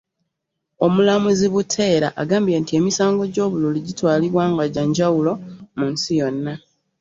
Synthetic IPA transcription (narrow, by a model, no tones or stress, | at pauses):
o̞mulamuziβutʰe̞ːɾa̰ʔa̰ɡaːmbjentie̞ːmisaːŋɡo̞ɟo̞ːβululuɟitwaːliβwaːŋɡaɟaɲɟawulo̞munsijo̞nːa